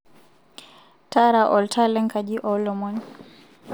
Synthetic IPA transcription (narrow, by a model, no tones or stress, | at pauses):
taɾaʔɔltʰalɛŋkad͡ʒiʔɔlɔmɔn